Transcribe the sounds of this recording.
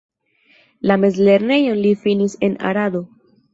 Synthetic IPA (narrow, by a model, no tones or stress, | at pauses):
lame̞zle̞ɾne̞jo̞nlifinise̞na̰ɾad̪o̞